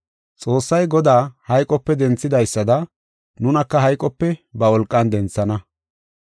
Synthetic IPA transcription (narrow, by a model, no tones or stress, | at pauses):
t͡sʼo̞ːsːɐjɡɔd̪aːhɐjkʼɔpːɛd̪ɛnt͡sːɪd̪ɐjsːɐd̪ɐ | nʊnɐkːɐɦɐjkʼɔpːɛbɐwɔlkʼːɐnd̪ɛnt͡sːɐnɐ